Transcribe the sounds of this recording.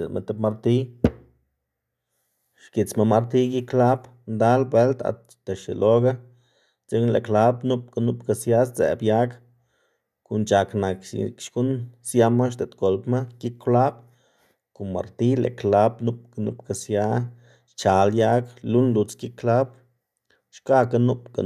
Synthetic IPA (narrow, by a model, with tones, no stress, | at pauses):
ḛ˨ma̰˧t̪e˧pma˧ɾt̪i˦ | ʃki˨t͡sma˧ma˧ɾt̪i˦ɡi˦kla˦b | nd̪a˦lbwe˦lt̪a̰˨t̪ | t̪e˨ʃḛ˨lʔo˦ɡa˦ | t͡se˦knlḛ˨kla˦bnu˦p̚ka˧nu˦pka˧sja˦st͡sḛ˨bja˦k | ku˧nt͡ʃa˨kna˨kkʃku˦nsja˧ma˦ʃ̬t̪e˨t̪ɡo˨lpma˦ɡi˦kːla˦b | ku˨ma̰˨ɾt̪i˦lḛ˨kla˦bnu˦p̚ka˧nṵ˦pka˨sja˦ | t͡ʃa˨lja˦klu˦nlu˧t͡ski˦kːla˦b | ʃka˦ka˦nu˦pka̰˨